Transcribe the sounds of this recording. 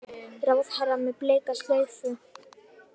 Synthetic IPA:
ɾawðhaɾamɛpleːjkast̪leːɥθʏ

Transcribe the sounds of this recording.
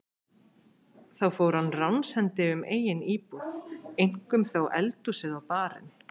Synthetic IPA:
θawfowɾhanːrawnshɛnt̪ɪʏmʔḛːjɪniːpuðejŋ̥kʏmθowʔɛ̰lt̪usɪðawpaːɾɪ̰n

